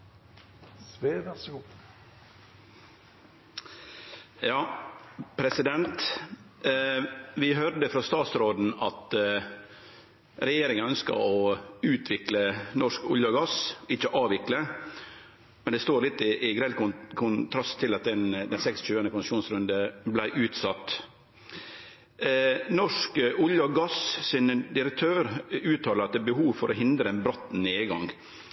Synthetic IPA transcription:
sʋeːʋæsu | jɑːpʰɾɛsɪd̪ɛnt̪ | ʋɪɦœɾd̪əfɾɑst̪ɑːt̪sɾoːd̪n̩ɑt̪ | ɾɛjeːɾɪŋənœnskə̰ɾɔʉːt̪ʰʋɪklənɔʂkʊ̰ljəɡɑsɪt͡ʃːəʔɑːʋɪklə | mɛnd̪ɛst̪oːlɪt̪ːɪʔːɡɾɛlkʊkʰʊnt̪ʰɾɑst̪ʰːɪlɑt̪̚d̪ɛnd̪ɛnsɛkst͡ʃʉːənəkʰʊnsəʃuːnsɾʉnd̪əblæɪʔʉːt̪sɑt̪ː | nɔʂkʊljɑɡɑssɪnd̪ɪɾək̚t̪ʰøːɾʉːt̪ʰɑːləɾɑt̪̚d̪ɛːbəɦuːʋfɔɾʔɔɦɪnd̪ɾəɛnbɾɔt̪ːneːɡɑŋ

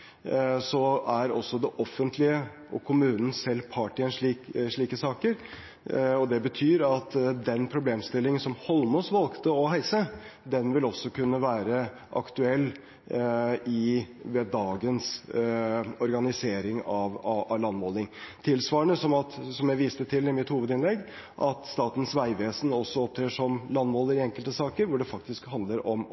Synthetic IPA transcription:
sɔæɾɔ̰sːɔd̪ɛʔɔfːənt̪ʰlɪə | ʔɔkʰʊmʉːnən̩sɛlpʰɑːʈɪənʂɭiːkʂɭiːkəsɑːkəɾ | ɔd̪ɛbət̪ʰyːɾɑt̪d̪ɛnpʰɾʊbleːmst̪ɪlːɪŋənsɔmhɔlmɔsʋɑlkt̪əɔɦæɪsəd̪ɛnʋɪlɔsːɔkʉnːəʋæːɾə | ʔɑ̰kt̪ʉɛlː | ɪʋɛd̪ɑːɡəns | ɔɾɡɑnɪseːɾɪŋɑʋɑɑlɑnːmoːlɪŋt̪ʰɪlsʋɑːəɳəsɔmɑt̪sɔmjæɪʋiːst̪ət̪ʰɪlɪmɪt̪huːʋəd̪ɪnlɛɡː | ʔɑt̪st̪ɑːt̪ən̩sʋæɪʋeːsənɔsːɔɔp̚t̪ʰɾeːʂɔmlɑnːmoːləɾɪɛŋkəlt̪əsɑːkəɾʋʊɖɛfɑk̚t̪ɪskhɑnd̪ləɾɔm

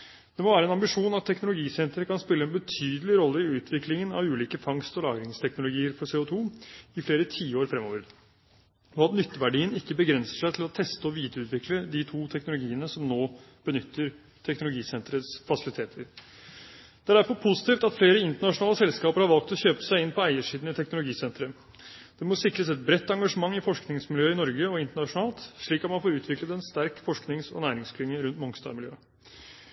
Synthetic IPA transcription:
d̪̥ɛmɔʋæːɾɛnɑmbɪʂuːnɑt̪ʰːɛknʊlʊɡiːsɛnt̪ɾəkʰɑnspɪlːəɛnbət̪ʰyːd̪əlɪɾɔlːəɪʉːt̪ʰʋɪklɪŋənɑ̰ʋʉːliːkəfɑŋst̪ɔlɑ̰ːɡɾɪŋst̪ʰɛknʊlʊɡiːəɾfɔɾseːʊt̪ʰuːɪfleːɾət̪ʰiːəoːɾfɾɛmːɔʋəɾ | ɔɑt̪nʏt̪ːəʋæɖiːənɪkːəbəɡɾɛnsə̥ʂæɪt̪ʰɪlɔt̪ʰɛst̪əɔʋiːd̪ʉːt̪ʋɪkləd̪ɪt̪ʰuːt̪ʰɛknʊlʊɡiːənəsɔmnoː | b̥ənʏt̪ʰːəɾ | t̪ʰɛknʊlʊɡiːsɛnt̪ɾət̪sfɑsɪlɪt̪ʰeːt̪ʰəɾ | d̪̥æɖæɾfɔɾpʰʊsɪ̥t̪iːft̪ɑt̪fleːɾəɪnt̪əɳɑʂʊnɑːləsɛlskɑːpəɾhɑɾʋɑlkt̪ɔçøːpə̥sæɪɪnpʰɔæɪəʂiːd̪n̩ɪt̪ʰɛknʊlʊɡiːsɛnt̪ɾə | d̪̥ɛmɔsɪkɾəsɛt̪̚bɾɛt̪ːɑŋɡɑʂəmɑŋːɪfɔʂknɪŋsmɪljøːɪnɔɾɡəɔɪnt̪əɳɑʂʊnɑːlt̪ʂɭiːkɑt̪mɑnfoːɾʉːt̪ʋɪklət̪ɛnst̪æɾkfɔʂknɪŋsɔ̰næːɾɪŋskʰlɪŋːəɾʉnt̪mɔŋst̪ɑ̰ːɾmɪljø̰ː

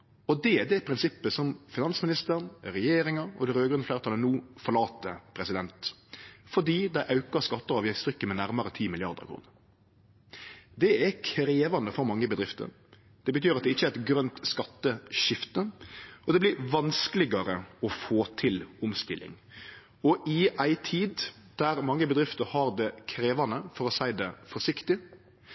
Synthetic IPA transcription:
ɔd̪ɛæd̪ɛpʰɾɪnsɪpːəsɔmfɪnɑnsmɪnɪst̪əɾnɾɛjeːɾɪŋɑɾɔ̰d̪ɛɾøːɡɾʉnəflæːɾt̪ʰɑlənuːfɔɾɭɑːt̪ːəpʰɾɛsɪd̪ɛnt̪fɔɖiːd̪æɪʔɑʉkəskɑt̪ːəɑːʋjɛst̪ɾʏkːəmɛnæɾmɑɾət̪ʰiːmɪlɪɑɾd̪ə̰ɾkʰɾṵːnəɾ | d̪ɛækʰɾeːʋɑnd̪əfɔɾmɑŋːəbəd̪ɾɪft̪ə̰ɾ | d̪̥ɛbət̪ʰyːɾɑt̪̚d̪ɛɪçːəæɛt̪ɡɾœnt̪skɑt̪ːəʃɪft̪əɔd̪ɛblɪɾʋɑnskəlɪɡɑɾəɔfoːt̪ʰɪlʊmst̪ɪlːɪ̰ŋ | ɔʔɪæɪt̪ʰiːd̪ | d̪̥æɾmɑŋːəbəd̪ɾɪft̪əɾhɑɾd̪ɛkʰɾeːʋɑnəfɔɾɔsæɪd̪ɛfɔʂɪkt̪ɪ

